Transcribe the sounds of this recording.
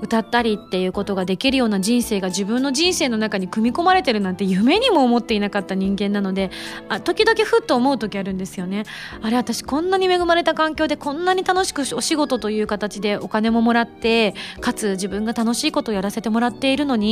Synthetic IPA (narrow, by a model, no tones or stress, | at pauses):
ɯ̟t̪at̪ːaɾʲit̪ːe̞jɯ̟ːko̞t̪o̞ɡad̪e̞kʲiɾɯ̟jo̞ːnaʑĩɰ̃se̞ːɡad͡ʑibɯ̟̃nːo̞ʑĩɰ̃se̞ːno̞nakaɲ̟ikɯ̟mʲiko̞maɾe̞t̪e̞ɾɯ̟nãnt̪e̞jɯ̟me̞ɲ̟imo̞ːmo̞t̪ːe̞inakat̪ːaɲ̟ĩŋɡẽ̞nːano̞d̪e̞at̪o̞kʲid̪o̞kʲiɸɯ̟t̪ːo̞ːmo̞ɯ̟t̪o̞kʲiaɾɯ̟̃nd̪e̞sɨjo̞ne̞ | aɾe̞at̪aɕi̥kõ̞nːaɲ̟ime̞ɡɯ̟maɾe̞t̪akãŋkʲo̞ːd̪e̞kõ̞nːaɲ̟it̪ano̞ɕi̥kɯ̟o̞ɕiɡo̞t̪o̞t̪o̞jɯ̟ːkat̪at͡ɕid̪e̞ʔo̞kane̞mo̞mo̞ɾat̪ːe̞kat͡sɨʑibɯ̟̃ŋɡat̪ano̞ɕiːko̞t̪o̞ːjaɾase̞t̪e̞mo̞ɾat̪ːe̞iɾɯ̟no̞ɲ̟i